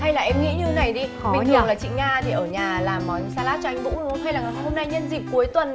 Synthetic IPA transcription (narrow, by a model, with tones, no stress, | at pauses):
ha˧jlaː˨˩ʔɛ˧mŋḭ˧˥ɲɨ˧na˨˩jɗi˧ɓi̟˨˩ɨ˨˩ŋlaː˨˩t͡ɕḭ˧˨ŋaː˧t̪ʰi˨˩ʔəː˧˩ɲaː˨˩laː˨˩mːɔ˨˩nsaː˧laː˦˥t̚t͡ɕɔ˧˦ŋ̟vṵ˧˥n˧˦ha˧jlaː˨˩ŋa˨˩ho˧mna˧jɲə˧nzï˨˩k̚ku˨˦jt̪wə˨˩n